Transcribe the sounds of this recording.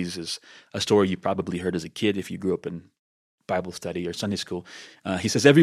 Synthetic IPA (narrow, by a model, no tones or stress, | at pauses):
zɪz̥ɨstɔɹijɨpʰɹ̥ɑbəbliɦɜ˞ɾɨzɨkʰɪɾɨfjɨɡɹʉʌpɨ̃n | b̥aɪbl̩ˠstʌɾiə˞sʌ̃ndeɪskulˠhisɛzɛvɹi